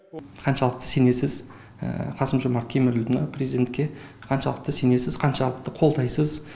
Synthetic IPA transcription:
qʰɑnʃɑlˠəq̚t̪ə̥se̞ne̞sɪz̰ | qʰɑsəmʒomɑɾt̪̚kʲʰemɪɾʏld̪ɪnɑpʰrʲezid̪ʲe̞nt̪kʲe̞qʰɑnʃɑlˠəq̚t̪əsene̞sɪzqʰɑnʃɑlˠəq̚t̪əqʰo̞lˠd̪ɑjsəz

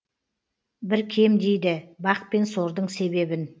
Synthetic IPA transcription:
bɪɾkʲʰe̞md̪e̞jd̪ɪbɑq̚pe̞nso̞ɾd̪əɴse̞βe̞bɪn

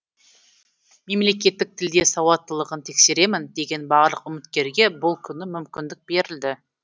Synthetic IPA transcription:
me̞mle̞kʲe̞t̪ːɪk̚t̪ʰɪld̪e̞sɑwɑt̪ːəlˠəʁənt̪ʰe̞kse̞ɾe̞mɪnd̪e̞ɡʲe̞nbɑʁlˠəqʊmɪt̪kʲe̞ɾɡʲe̞bʊlˠkʲʰʏnɪmʏmkʲɪnd̪ɪk̚b̥e̞ɾɪld̪ɪ

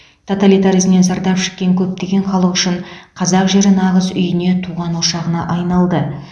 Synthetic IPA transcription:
t̪ʰo̞t̪alʲijt̪aɾijzmne̞nzɑɾd̪ɑpʃɪ̥kkʲːe̞ŋkʲʰɵp̚t̪e̞ɡʲe̞ɴχɑlˠəqʏʃɪɴqʰɑzɑqʒe̞ɾɪnɑʁəzʏjɪne̞t̪ʰuʁɑnwoʃɑʁənɑʔɑjnɑlˠd̪ə

